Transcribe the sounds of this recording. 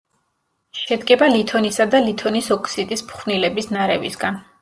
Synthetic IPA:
ʃɛd̪ɡɛbalit̪ʰɔnisad̪alit̪ʰɔnisɔkʰsid̪ʼispχvnilɛbisnaɾɛvḭsɡan

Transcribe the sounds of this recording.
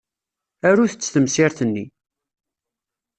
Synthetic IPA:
æɾuθət͡sːθəmsɪɾθənːi

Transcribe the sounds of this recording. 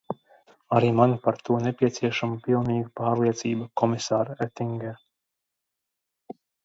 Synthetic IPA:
aɾiːmanpaɾt̪uɔnepʲiɛt̪siɛʃamupilˠniːɡupaːɾliɛt̪siːbakɔmisaːɾet̪iŋɡʲɛɾ

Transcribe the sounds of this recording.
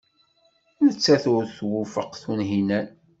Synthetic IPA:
nət͡sːæθʊɾθwufəqθunɦinæn

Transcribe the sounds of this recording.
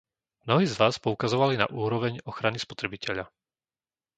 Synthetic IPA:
mnɔɦiːzʋaːspɔukazɔʋalina̰ʔuːɾɔʋɛɲɔxɾanispɔt̪ɾɛbicɛʎa

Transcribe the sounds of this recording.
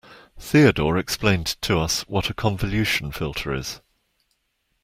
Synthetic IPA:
θiədɔːɹɛksplẽɪ̃ntʰəʌswɒtʰəkʰɒ̃ɱvəljʉˑʃə̃nfɪlˠtʰəɹɪ̰z̥

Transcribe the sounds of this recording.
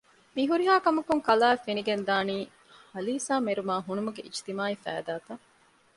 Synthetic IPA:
miɦuɾiɦaːkɐmɐkuŋkɐlaːefeniɡend̪aːniː | hɐliːsaːmeɾumaːɦunumuɡeʔit͡ʃt̪imaːifæ̰ːd̪aːt̪ɐ

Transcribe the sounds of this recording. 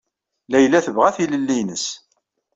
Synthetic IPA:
læjlːæθəvʁæθiləlːinəs

